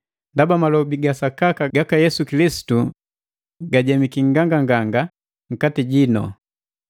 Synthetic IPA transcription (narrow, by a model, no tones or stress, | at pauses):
ndabamalɔbiɡasakakaɡakajɛsukilisi̥tu | ɡaɟɛmikiŋ̩ɡaŋɡaŋɡaŋɡa | ŋ̩katiɟinɔ̰